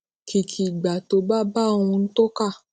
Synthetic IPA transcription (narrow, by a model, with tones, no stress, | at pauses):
kʰi˨kʰi˨ɡ͡ba˨to˨˦ba˦ba˦˨wũ˧n̩˦to˦ka˦˨